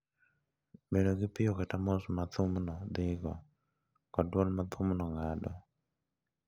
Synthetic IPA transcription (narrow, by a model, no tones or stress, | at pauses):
benoɡɪpɪjokɛtamosmat̪ʊmnɔd̪ɪɡɔ | kɔdwɔlmat̪ʰʊmnɔŋadɔ